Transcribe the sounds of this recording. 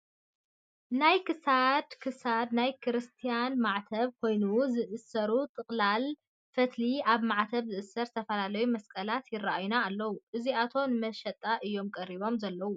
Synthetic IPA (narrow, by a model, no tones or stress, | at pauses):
najkʰɨsad̪kʰɨsad̪najkʰɨɾɨst̪ʰijanmaʕt̪ʰɐβkʰo̞jnuzɨʔɨsɐɾut̪ʼɨkʼlal | fɐt̪ʰliaβmaʕt̪ʰɐβzɨʔɨsɐɾt̪ʰɐfɐlalɐjumɐskʼɐlat̪jɪrːaʔajunaːlːɐwuʔɨziat̪ʰo̞nɨmɐʃɐt̪ʼːaʔɨjːo̞mkʼɐɾiβo̞mzɐlːɐwu